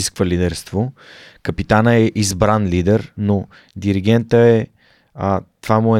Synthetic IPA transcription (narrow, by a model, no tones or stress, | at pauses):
iskvəlid̪ɛɾst̪vokəpit̪anəɛʔizbɾanlid̪ɛɾno | d̪iɾiɡ̟ɛnt̪əɛ | ət̪vamʊɛ